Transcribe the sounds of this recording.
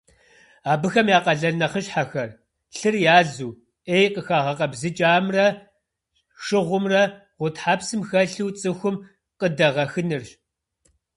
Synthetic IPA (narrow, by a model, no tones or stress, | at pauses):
aːbɨxɐmjaːqɐɮɐnɐχəɕħaxɐr | ɬɨrjaːɮuː | eːjqʼəxaːʁɐqʼɐbzɨt͡ʃʼaːmrɐ | ʂɨʁʷʊmrɐ | ʁʷʊtħaːpsɨmxɐɬɨwt͡sʼɨxʷʊm | qʼədɐʁɐxɨnɨrɕ